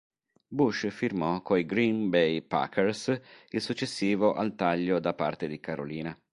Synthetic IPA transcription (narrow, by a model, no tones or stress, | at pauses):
buʃfirmɔkʰoiɡɾinbejpa̰kʰɛɾsilsut͡ʃːesːiːvoʔa̰lt̪aʎːod̪apa̰rt̪ed̪ikaɾo̰liːna